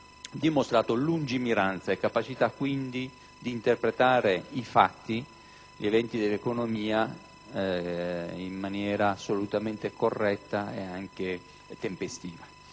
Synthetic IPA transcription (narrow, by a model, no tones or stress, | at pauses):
d̪imost̪ɾaːt̪olund͡ʒimiɾant̪saekːapat͡ʃit̪akːwind̪i | d̪iːnt̪erpɾet̪aːɾeifat̪ːi | ʎevɛnt̪id̪elːekonomiːa | imːanjɛːɾaːsːolut̪ament̪ekorːɛt̪ːaḛaŋk̟e | t̪empest̪iːva